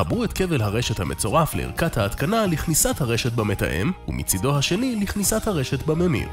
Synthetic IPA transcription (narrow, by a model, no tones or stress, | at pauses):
habʁuet̪ke̞velɦaʁeʃethamʔet͡so̞ʁaflḛḭʁkathaːt̪kanaliχnisathaʁeʃet̚bamet̪a̰ʔḛmṵmʔḭt͡sido̞haʃe̞niliχnisat̪haʁeʃe̞tbamemḭʁ